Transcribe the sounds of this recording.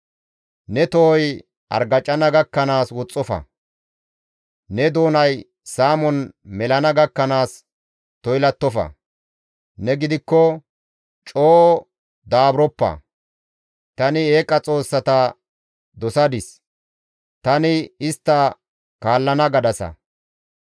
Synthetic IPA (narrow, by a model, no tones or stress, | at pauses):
nɛt̪ɔɔj | ʔɐ̰ɾɡɐt͡ʃʼːɐnɐɡɐkːɐnaːswɔt͡sʼːɔfɐ̰ | nɛd̪o̞ːnɐj | saːmɔnmɛlɐnɐɡɐkːɐnaːs | t̪ɔjlɐt̪ːɔfɐ̰ | nɛɡɪd̪ɪkːɔ | t͡ʃʼoː | d̪aːbɾɔpːɐ̰ | t̪ɐnɪeːkʼːɐt͡sʼo̞ːsːɐt̪ɐ | d̪ɔsɐd̪ɪs | t̪ɐnɪɪst̪ːɐ | kaːlːɐnɐɡɐd̪ɐsɐ̰